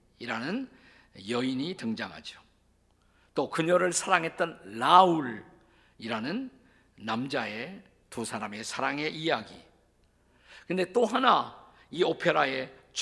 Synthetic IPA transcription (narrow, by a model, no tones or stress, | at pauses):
iɾanɯn | jʌiɲitɯŋd͡ʑaŋɦa̰d͡ʑo̥ | t͈okɯɲʌɾɯɭsʰaɾaŋɦe̞t̚t͈ʌnːauɾ | iɾanɯnː | amd͡ʑae̞ | tusʰaɾame̞sʰaɾaŋe̞ʔijaɡi | kɯnd̪e̞t͈oɦana | iopʰeɾae̞t͡ɕ